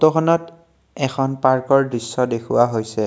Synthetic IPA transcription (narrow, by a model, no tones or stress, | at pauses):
tɔkʰɔnɔt | ɛkʰɔnpaɹkɔɹdɹisːɔdekʰuwaɦojsɛ